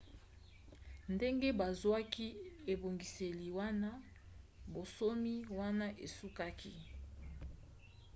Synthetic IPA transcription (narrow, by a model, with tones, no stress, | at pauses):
nde˦ŋɡe˦ba˨zwa˦ki˦e˨bo˨ŋɡi˨se˨li˨wa˦na˦ | bo˨so˦mi˦wa˦na˦ʔe˨su˦ka˦kʰi˦